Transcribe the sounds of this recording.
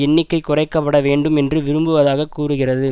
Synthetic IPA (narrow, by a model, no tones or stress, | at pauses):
ɛnːɪkːɐɪkʊrɐɪkːɐpːɐɽɐʋeːɳɖɯmɛndrɯʋɪɾɯmbɯʋɐðaːɣɐkːuːrɯɣɪrɐðɯ